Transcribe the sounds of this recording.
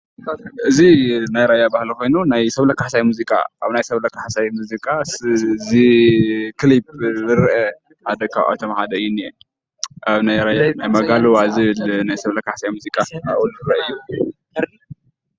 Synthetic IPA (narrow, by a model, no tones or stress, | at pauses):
ʔɨzinajɾajabahliko̞jnunajsɐβlɐkʰaħsajmuzikʼa̰ʔaβnajsɐβlɐkʰaħsajmuzikʼaszi | kʰlib̚zɨɾʔɛ | ħad̪ɐkʰa̰wʔa̰t̪ʰomħad̪ɐɨjːuniɛ | ʔaβnajɾajanajmɐɡalowazɨlnajsɐβlɐkʰaħsajmuzikʼaa̰wulɨɾɐʔɨjːu